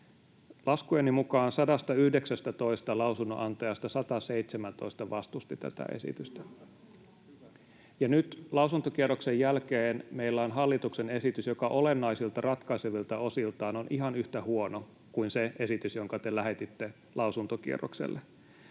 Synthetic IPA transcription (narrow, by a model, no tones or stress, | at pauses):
lʔɑskuenːimukɑːnsɑdɑst̪ɑyhdeksæst̪æt̪o̞ist̪ɑlɑusunːo̰ʔɑnt̪ɑjɑst̪ɑsɑt̪ɑseit̪semænt̪o̞ist̪ɑʋɑst̪ust̪it̪æ̰t̪æ̰ʔḛsḭt̪yst̪æ | jɑnyt̪lɑusunt̪ok̟ieroksejːælkeːnmeilːæonɦɑlːit̪uksene̞sit̪ysjokɑʔo̞lenːɑisilt̪ɑrɑt̪kɑiseʋilt̪ɑo̞silt̪ɑːnonʔiɦɑnyht̪æhuono | kuinseʔe̞sit̪ysjo̞ŋkɑt̪elæɦe̞t̪it̪ːe̞ | lɑusunt̪okḭḛro̰ksḛlːʔe